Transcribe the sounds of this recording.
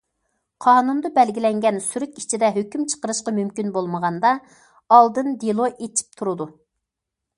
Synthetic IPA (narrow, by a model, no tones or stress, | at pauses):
qʰɑːnund̪ɑbɛlɡʲilɛŋɡʲɛnsyɾyk̪ʲit͡ʃʰid̪ɛɦøkʲymt͡ʃʰə̥qəɾɨʃqɑmymkʲinbolˠməʁɑnd̪ɑ | ɑlˠd̪ɨnd̪ilˠoʔet͡ʃʰi̥p̚t̪ʰuɾɨd̪u